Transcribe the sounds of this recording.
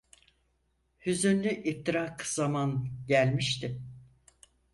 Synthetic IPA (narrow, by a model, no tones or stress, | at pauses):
hyzynlʲyʔift̪ʰiɾakz̥amanɟælʲmiʃt̪ʰɪ